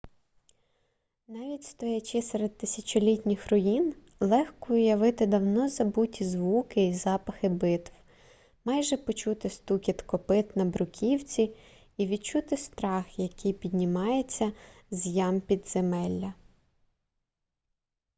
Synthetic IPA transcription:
nɑʋʲitʲst̪ɔjɐt͡ʃɪsɛɾed̪̚t̪ɪsʲɐt͡ʃɔlʲitʲnʲɪxrɔjin | lˠɛxkɔʊjɐʋɪt̪ɪd̪ɐwnɔzɐbutʲizʋukɪizɑpɐxɪbɪt̪w | mɑjʒɛpɔt͡ʃut̪ɪst̪ukʲit̪kɔpɪt̪nɐbɾʊkʲʰiwt͡sʲi | iʋʲid̪t͡ʃut̪ɪst̪ɾɑxjɐkijpʲid̪ʲnʲimɑjet͡sʲːɐzʲjɑmpʲid̪z̥emɛlʲːɐ

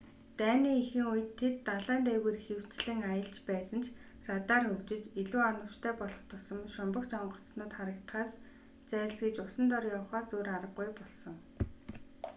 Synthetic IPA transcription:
t̪æːniːixɘ̆ŋuj̆t̪ʰːet̪ːaɮaːnt̪eːweːrxew̥t͡ɕɮɘ̆ŋajə̆ɬt͡ɕpæːsə̆nt͡ɕʰ | rat̪aːrxɵkt͡ɕɪ̆t͡ɕiɮuːɔnə̆w̥t͡ɕt̪ʰæːpɔɮɞ̆χt̪ʰʊsɞ̆mʃɔmpə̆kt͡ɕɔɴɢɞ̆t͡snʊːt̪χaɾə̆k̚t̪χaːs | t͡sæːsɡet͡ɕʊsə̆nt̪ɔrjawχaːsoːɾaɾə̆ɡujpɔɮsɞ̆ŋ

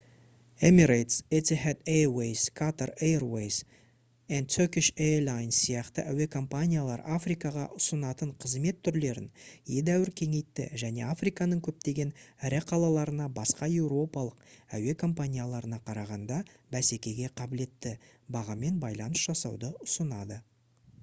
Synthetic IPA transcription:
emiɾejt̪set̪ʲihet̪ewejskʰat̪aɾerwejs | ent̪ʰøkʲiʃelˠajnsːijɑqt̪ə̰ʔæwe̞kʰo̞mpanʲijalˠɑɾafrijkɑʁɑ̰ʔʊsənɑt̪əɴqʰəzme̞t̪ʰːʏɾle̞ɾɪ̰njed̪æwɪɾkʲʰe̞ŋe̞jt̪ːɪ̰ʒæne̞̰afrijkɑnəɴkʲʰɵp̚t̪e̞ɡʲe̞nɾɪqʰɑlˠɑlˠɑɾənɑbɑsqɑje̞wɾo̞pɑlˠəqæ̰we̞kʰo̞mpanʲijalˠɑɾənɑqʰɑɾɑʁɑnd̪ɑ | bæse̞kʲe̞ɡʲe̞qʰɑbɪle̞t̪ːɪ | bɑʁɑme̞nbɑjlˠɑnəsʒ̥ɑsɑwd̪əʊsənɑd̪ə

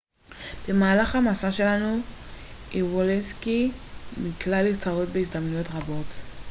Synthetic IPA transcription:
b̥emaːlaχamasaʃe̞lanu | iwoleskimiklalit͡saʁotbeis̬d̪amnujo̞tʁabo̞t

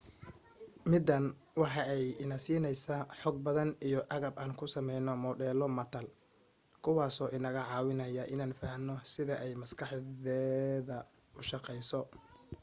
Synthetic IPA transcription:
mɪd̪ɐn | wɑħɑɛjɪnɐsiːnɛjsaħɔɡ̚bɐðɐnijɔʔɐɣɐbaːnkʰʊsɐmɛjnɔmɔɖɛːlɔmɐt̪ʰɐl | kʰʊwɑːsɔːʔɪnɐɣɐʕɑːwɪnɐjɐʔɪnaːnfɐhnɔsɪðɐʔɛjmɐskʰɑħðɛːðɐ | ʊʃɑqɛjsɔ

